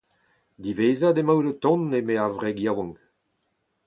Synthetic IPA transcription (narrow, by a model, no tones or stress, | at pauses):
d̪iveːzad̪emawlot̪ɔ̃nːemeavʁɛɡjawɔ̃ŋ